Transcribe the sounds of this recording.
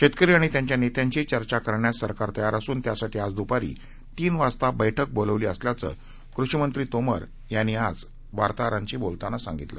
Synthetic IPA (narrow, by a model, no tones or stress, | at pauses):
ɕet̪kəɾiːaɽ̃it̪jaɲt͡ɕjanet̪jaɲt͡ɕit͡ɕəɾt͡ɕakəɾɳjasəɾkaɾt̪əjaɾasuːnt̪jasaʈʰiːad͡zd̪upaɾḭː | t̪iːnʋast̪abəjʈʰək̚boləʋliːəsljat͡sə̰ː | kɾuʂəmənt̪ɾiːt̪omə̰ɾ | janːiːad͡z | ʋaɾt̪aɾãɲt͡ɕiːbolt̪anasa̰ŋɡit̪lə